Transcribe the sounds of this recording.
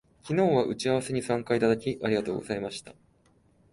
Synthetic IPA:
kʲino̞ːβaʔɯ̟t͡ɕiaβ̞ase̞ɲ̟isãŋkait̪ad̪akʲiʔaɾʲiɡat̪o̞ːɡo̞̰z̥aimaɕi̥t̪ḁ

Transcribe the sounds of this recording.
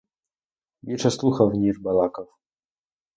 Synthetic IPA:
bʲit͡ʂɛsluxavɲiʐbalakaf

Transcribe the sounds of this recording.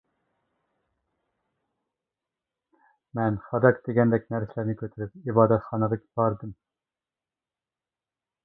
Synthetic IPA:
mɛnfɑd̪ɑkd̪eɡʲɛnd̪ɛkʲnæɾsɪlæɾnɪkʲʰøt̪ʰɾypibɑːd̪ɛt̪χɑnəlɨkʲʰbɑɾd̪ɨm

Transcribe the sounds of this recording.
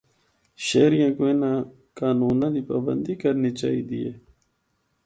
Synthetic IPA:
ʃeːɾijãːkoẽnãː | kaːnuːnãːd̪iːpaːbə̰nd̪iːkəɾniːt͡ʃa̰ːḭːd̪iːeː

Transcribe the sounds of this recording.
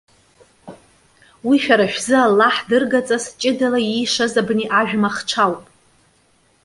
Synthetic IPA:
wiʃᶣaɾaʃᶣzɨalːaħdɨrɡat͡sʼast͡ʃʼɪdalajijʂazabniʔaʒᶣmaχʈ͡ʂʷʰawpʼ

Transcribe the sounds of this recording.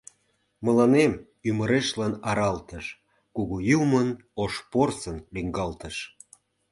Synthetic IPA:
mə̆lɑnem | yməɾeʃlɑnɑɾɑlt̪əʃ | kuɣujumən | oʃporsənliŋɡɑlt̪əʃ

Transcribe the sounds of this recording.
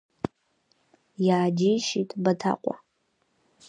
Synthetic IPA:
jaːd͡ʒijʃitʼbatʰa̰qʷʼa̰

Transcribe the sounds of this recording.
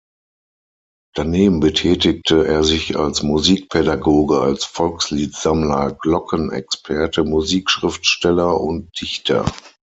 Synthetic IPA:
d̥aneːbm̩bətʰɛːtɪk̚tʰəʔeːɐzɪça̰lsmuziːk̚pʰɛdaɡoːɡəalsfɔlksliːtz̥amlɐɡlɔkʰənɛ̰kspʰɛɐtʰəmuziːkʃʁ̥ɪftʃtɛlɐʔʊnt̚d̥ɪçtʰɐ̰

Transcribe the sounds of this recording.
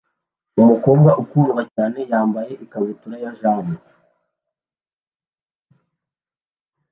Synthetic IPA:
umuko̞ːmɡaʔukuɾɡacaːne̞jaːmbaje̞ʔikaβituɾajaʒaːmbo

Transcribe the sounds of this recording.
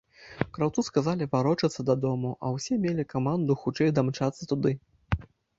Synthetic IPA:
kɾawt̪suskazalʲivaɾɔt͡ʂɐt̪sːɐd̪ɐd̪ɔmuʔɐ̰wsʲɛmʲelʲikamand̪uxut͡ʂɛjd̪amt͡ʂat̪sːɐt̪ud̪ɨ

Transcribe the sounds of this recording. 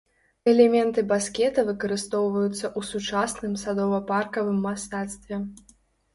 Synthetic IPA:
ɛlʲɛmʲɛnt̪ɨbaskʲɛt̪ɐvɨkɐɾɨst̪ɔwvɐjut̪sːɐʔusut͡ʂasnɨmsad̪ɔvɐparkɐvɨmːast̪at̪st̪vʲɛ

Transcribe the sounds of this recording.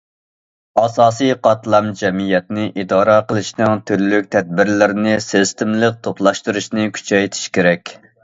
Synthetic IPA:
ɑsɑːsijqʰɑt̪lˠɑmd͡ʒɛmijɛt̪nɪʔid̪ɑːɾɑqəlˠɨʃnɨŋt̪ʰyɾlyk̚ʲt̪ʰɛd̪̚bɪɾlɪɾnɪsest̪ɪmlˠɨk̚t̪ʰopʰlˠɑʃt̪uɾuʃnɪkʲʰy̥t͡ʃʰɛjt̪ʰi̥ʃkʲeɾɛkʲ

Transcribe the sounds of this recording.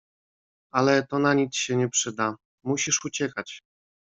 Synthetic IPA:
alɛt̪ɔnaɲisɕɛɲɛpʂɘd̪a | muɕiʂut͡ɕɛkat͡ɕ

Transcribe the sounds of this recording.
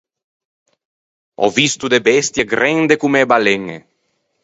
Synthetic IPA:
ɔ̰vist̪ud̪ebest̪jeɡɾend̪ekumebaleŋḛ

